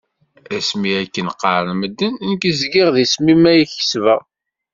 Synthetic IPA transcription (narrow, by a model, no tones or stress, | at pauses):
æsmiækːənqːɑɾˤənməd̪ːənnkəzɡɪʁðismimæjəçə̥svəʁ